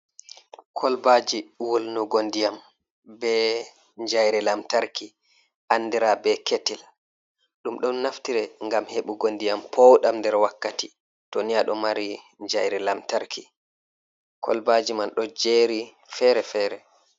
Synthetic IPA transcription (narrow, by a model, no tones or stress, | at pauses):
kʰɔlbad͡ʒiwolnuɡondijam | bɛ | ɲd͡ʒajɾɛlamtaɾki | ʔanːdiɾabɛketil | ɗumɗɔnnaftiɾɛŋɡamheɓuɡondijampʰɔwɗamndɛɾwakːati | tɔnijaɗɔmaɾi | ɲd͡ʒajɾɛlamtaɾki | kʰɔ̰lbad͡ʒimanɗɔd͡ʒeɾi | fɛɾɛfɛɾɛ